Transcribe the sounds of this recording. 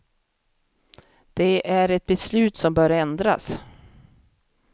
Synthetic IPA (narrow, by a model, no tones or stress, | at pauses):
d̪̥ɛʔæɾɛt̪̚bɛslʉ̟ːt̪sɔmbœːɾɛnd̪ɾa̰s